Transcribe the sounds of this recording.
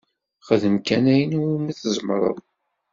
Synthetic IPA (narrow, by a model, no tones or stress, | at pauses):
χəðəmkænæjəniwimiθəzˤmɾˤə̰ðˤ